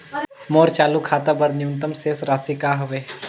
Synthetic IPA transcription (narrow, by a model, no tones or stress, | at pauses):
moːɾt͡ʃaːlukʰaːt̪abəɾnɪjũnt̪əmseːsɾaːsikaːɦʊʋeː